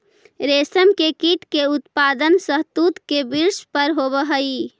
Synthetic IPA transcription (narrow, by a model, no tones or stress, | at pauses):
ɾesəmkekiʈkeut̪pad̪ənsəɦt̪ut̪kebiɾspəɾɦobəɦəi